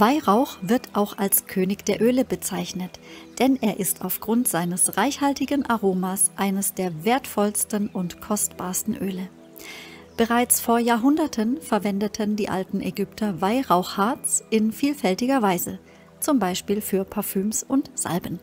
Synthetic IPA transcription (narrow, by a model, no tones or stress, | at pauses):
vaɪʁaʊxv̥ɪɐtʔaʊxalskʰøːnɪçd̥eːɐʔøːləbət͡saɪçnətd̥ɛnʔeːɐʔɪstaʊfɡ̥ʁʊntz̥aɪnəsʁaɪçhaltɪɡənʔaʁoːmasʔaɪnəsd̥eːɐveːɐtfɔlstən̩ʔʊntkʰɔstb̥aːɐstn̩ʔøːlə | b̥əʁaɪt͡sfoːɐjaːɦʊndɐtʰənfɛɐvɛndətʰəndiːʔa̰ltn̩ʔɛɡʏptʰɐvaɪʁaʊxhaɐt͡sʔɪnfiːlfɛltɪɡɐvaɪzə | t͡sʊmbaɪʃpiːlfyːɐpʰaɐfyːmsʊntz̥a̰lbən